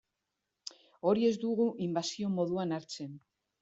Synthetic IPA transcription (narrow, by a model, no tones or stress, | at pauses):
o̞ɾie̞zd̪uɣuʔimbasio̞mo̞ðuanaɾt͡se̞n